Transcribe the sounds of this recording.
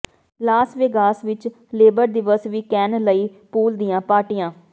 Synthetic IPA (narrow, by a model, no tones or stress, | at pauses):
laːsʋeːɡaːsʋɪt͡ʃ | leːbəɾd̪ɪʋəsʋiːkɛːnləiːpuːld̪ɪjãːpaːʈɪjãː